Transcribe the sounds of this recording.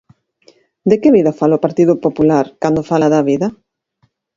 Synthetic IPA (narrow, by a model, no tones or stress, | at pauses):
d̪ekeβiðɐfalopaɾt̪iðʊpopulaɾkand̪ofalaðɐβiðɐ